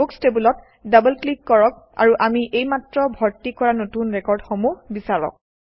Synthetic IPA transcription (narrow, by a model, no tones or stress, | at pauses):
ukstebulɔt̚ | dabəlklikːɔɹɔk | a̰ɹuʔamiʔejmatɹɔbʱɔɹtikɔɹanotunɹɛkɔɹdxomuhbisaɹɔ̰k̚